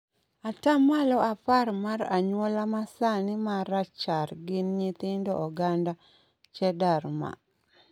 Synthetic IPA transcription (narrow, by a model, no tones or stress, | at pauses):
atamalɔʔaparmaɾaɲwɔlamasanɪmaɾat͡ʃarɡɪnɲit̪ɪndɔ̰ʔɔɡanda | t͡ʃɛdaɾma̰